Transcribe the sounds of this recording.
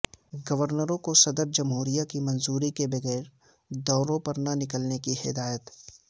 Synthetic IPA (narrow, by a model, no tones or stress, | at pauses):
ɡɐʋəɾnəɾõkosɐd̪əɾd͡ʒɐmɦuːɾijakimɐ̃nzuːɾikebɐɣɛːɾ | d̪ɔːɾõpɐɾnanɪkəlnekihɪ̰d̪aːjət̪